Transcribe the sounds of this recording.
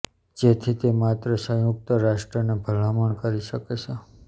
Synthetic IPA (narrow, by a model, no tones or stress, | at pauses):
d͡ʒet̪ʰit̪emat̪ɾəsə̃juk̚t̪əɾaʃʈɾənebʱəl̤aməɳkəɾiʃəket͡ʃʰe